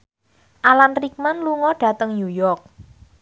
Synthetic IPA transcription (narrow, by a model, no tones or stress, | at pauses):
ʔalanrik̚manluŋɔɖ̥ä̤t̪əŋjujɔrk̚